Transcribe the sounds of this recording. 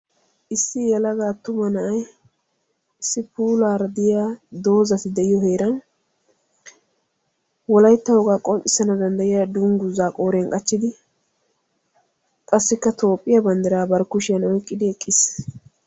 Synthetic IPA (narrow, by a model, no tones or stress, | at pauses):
ʔɪsːɪjɛlɐɡaːt̪ʊmɐnɐʔɐj | ɪsːɪpuːlaːɾɐd̪ɪjaːd̪o̞ːzɐt̪ɪd̪ɛɪjɔɦeːɾɐn | wɔlɐjt̪ːɐwɔɡaːkʼɔnt͡ʃʼɪsɐnɐd̪ɐnd̪ɐjɪjad̪ʊŋɡʊzaːkʼo̞ːɾɛŋkʼɐt͡ʃːɪd̪ɪ | kʼɐsːɪkːɐt̪ʰo̞ːpʼːɪjɐbɐnd̪ɛɾaːbɐɾkːʊʃɪjɐnɔjkʼːɪd̪ɪɛkʼːɪs